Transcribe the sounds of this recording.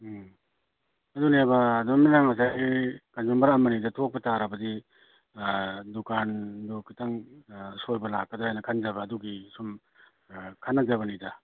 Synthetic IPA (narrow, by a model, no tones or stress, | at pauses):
ɐdunebɐːduɐminaŋasajɡikanzumbɐɾamɐnidɐtʰok̚pɐtaɾɐbɐdi | dukandukʰitaŋsojbɐla̰k̚ːɐdahajnɐkʰanzɐbɐːduɡisum | kʰanːɐzaβɐnidɐ